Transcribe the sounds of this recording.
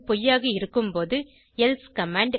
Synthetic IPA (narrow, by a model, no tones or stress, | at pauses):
pɔjːaːɣɐɪɾɯkːɯmpoːðɯ | ɛlskɐmaːɳɖ